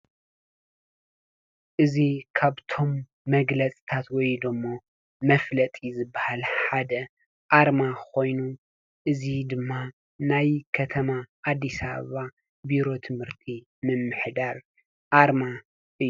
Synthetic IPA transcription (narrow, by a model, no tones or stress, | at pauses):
ʔɨzikʰaβt̪ʰo̞mː | ɐɡlɐt͡sʼi̥t̪ʰat̪wɔjd̪ɨmːo | mɐflɐt̪ʼizɨbːahalħad̪ɐ | ʔaɾmakʰo̞jnu | ʔɨzid̪ɨmːa | najkʰɐt̪ʰɐmaʔad̪ːisaβɐ̰βa | biɾo̞t̪ʰɨmhɨɾt̪ʰi | mɨmːɨħd̪aɾ | ʔaɾma | ʔɨjːu